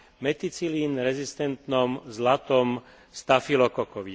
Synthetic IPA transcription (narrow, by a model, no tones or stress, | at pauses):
mɛt̪it͡siliːnɾɛzist̪ɛnt̪nɔmzlat̪ɔm | st̪afilɔkɔkɔʋi